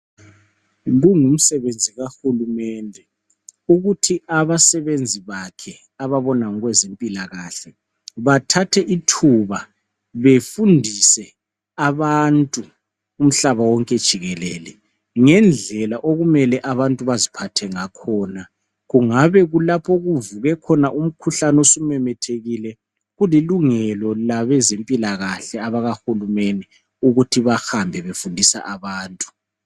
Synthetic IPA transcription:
ɣuŋum̩sɛβend͡zʱiɣaxulumɛndʱɛ | uɣutʰiaβasɛβend͡zʱiβakʰɛ | aβaβɔnaŋɔɣwɛzempʼilaɣaːɬɛ | βatʰatʰɛʔitʰuβa | βefundʱisɛ | aβantʼuː | m̩ɬaβawɔŋkʼɛd̥ʒ̥ʱiɣɛlɛːlɛ | ŋɛnd͡ɮʱɛlaʔoɣumɛlɛʔaβantʼuβazipʰatʰɛŋakʰɔːna | ɣuŋaβɛɣulapʰɔɣuvuɣɛkʰɔnaʔum̩kʰuɬanosumɛmɛtʰeɣilɛ | ɣuliluŋɛlɔlaβɛzempʼilaɣaɬɛaβaɣaxulumeni | uɣutʰiβaxambʱɛβefundʱisa̰ʔaβaːntʼu̥

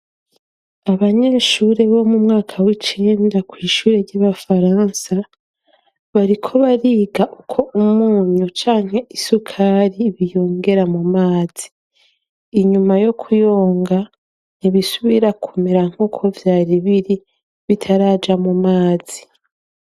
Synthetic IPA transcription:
aβaɲe̞ːʃuɾe̞βo̞mumŋaːkʰawit͡ʃindakwiːʃuːɾe̞ɾɟaβafaɾaːnsa | βaɾikʰo̞βaɾiːɡaʔukʰo̞umuːɲut͡ʃaːŋ̥he̞isukʰaːɾiβijo̞ːŋɡe̞ɾamumaːz̥i̥ː | ɲumajo̞kʰujo̞ːŋɡa | niβisuβiɾakʰumeɾaŋ̥ho̞kʰo̞vjaːɾiβiɾi | βitʰaɾaːd͡ʒamumaːz̥i

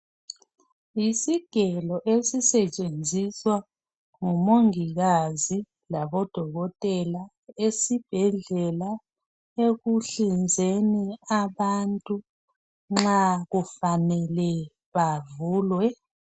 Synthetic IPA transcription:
isiɡ̥ʱɛlɔʔesisɛt͡ʃʼend͡zʱiswa | ŋumoŋiɣazi | laβɔd̥ʱɔɣɔtʼɛla | esib̥ʱɛɮɛla | eɣuɬind͡zʱeniaβantʼu | ŋ͡ǁaɣufanɛlɛ | βavuːlwɛ

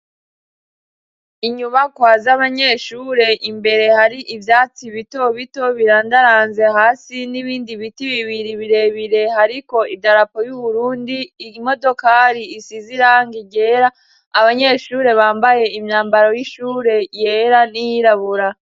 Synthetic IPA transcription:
iɲumakwaːzaβaɲe̞ʃuːɾe̞ʔimbe̞ɾe̞haɾiʔivjaːt͡siβito̞βito̞βiɾaːndaɾaːnze̞haːsiniβiːndiβitiβiβiɾiβiɾe̞βiɾe̞haɾiko̞idaɾapo̞juβuɾuːndimo̞do̞kaːɾiːsiziɾaŋɡiɟe̞ɾaː | βaɲe̞ʃuːɾe̞βaːmbaje̞imɲaːmbaɾojiʃuːɾe̞jeɾanijiɾaβuɾa

